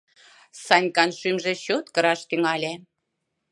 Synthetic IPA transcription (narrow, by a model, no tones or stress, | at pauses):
sɑnʲkɑnʃymʒĕɕot̪kɤ̆ɾɑʃt̪yŋɑlʲe